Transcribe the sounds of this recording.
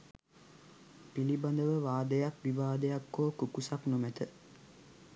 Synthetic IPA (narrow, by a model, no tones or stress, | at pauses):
piliband̪əʋəʋaːd̪əjakʋiʋaːd̪əjakːoːkukusaknumæt̪ə